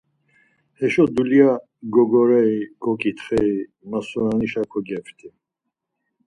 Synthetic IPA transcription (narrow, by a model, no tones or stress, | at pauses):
hɛʃɔd̪ulia | ɡɔɡɔɾɛiɡ̥ɔkʼit̪ʰχɛi | masunaniʃakʰɔɡɛft̪ʰʼi